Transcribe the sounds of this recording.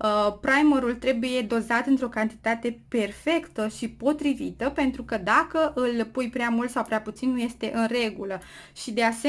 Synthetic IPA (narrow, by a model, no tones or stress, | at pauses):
əpɾajmeɾult̪ɾe̞buje̞d̪o̞zat̪ɨnt̪ɾo̞kant̪i̥t̪at̪e̞pe̞rfe̞kt̪əʃipo̞t̪ɾivit̪əpe̞nt̪ɾukəd̪akəʔɨlpujpɾeamult̪sawpɾeaput̪sinnuje̞st̪e̞ʔɨnre̞ɡulə | ʃid̪e̞ase